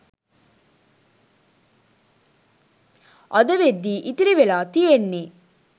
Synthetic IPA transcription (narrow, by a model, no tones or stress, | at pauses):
ʔɐd̪ɐʋed̪ːiːʔit̪iɾiʋelaːt̪ijenːeː